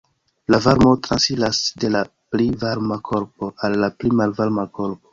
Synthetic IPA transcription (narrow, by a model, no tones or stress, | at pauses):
lavaɾmo̞tɾansilasde̞la | plivaɾmakʰo̞ɾpo̞alːaplimalvaɾmako̞ɾp̚o